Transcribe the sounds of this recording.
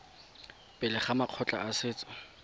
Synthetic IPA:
pʼɪlɪχamaq͡χʰɔt͡ɬʼa̰asɪːt͡sʼɔ̥

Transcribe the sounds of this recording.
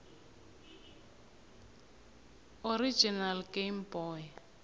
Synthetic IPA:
oɾid͡ʒinalɡejmbɔːj

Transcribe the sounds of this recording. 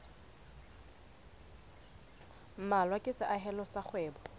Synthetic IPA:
m̩malwakʼɪsɪʔaɦɛlɔsaχʰwɛːbɔ

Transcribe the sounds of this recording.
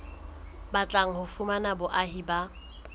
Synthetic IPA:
bat͡ɬʼaŋ̩hʊfumanabʊʔaɦiba

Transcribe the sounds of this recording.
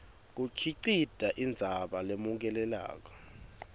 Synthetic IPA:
k̬ukʰiǀid̥ʱaʔind͡zʱaɓalemuk̬ɛlɛla̰ːk̬ɔ̥

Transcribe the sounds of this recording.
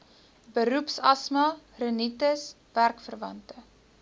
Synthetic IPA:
bəɾupsɐsmɐrənitəs | værkfərvɐntə

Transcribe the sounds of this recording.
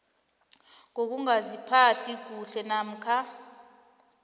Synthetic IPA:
ŋok̬uŋazipʰatʰik̬uɬɛnam̩kʰa

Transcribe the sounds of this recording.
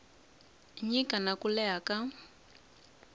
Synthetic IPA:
ɲikanakulɛɦaka

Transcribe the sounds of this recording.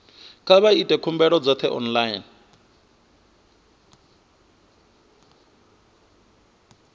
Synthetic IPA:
kʼaβaitʼɛkʰumbɛɺɔd͡zɔt̪ʰɛʔɔ̰nlajin

